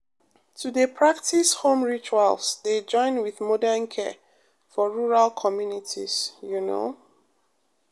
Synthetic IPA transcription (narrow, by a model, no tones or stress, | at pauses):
tʰudepʰɹak̚tʰishõmɹit͡ʃualsded͡ʒɔ̃ɪ̃nwiðmɔdɛnkʰɛ̰ | fɔɹuɹalkʰɔmjunitʰḭsjuno̰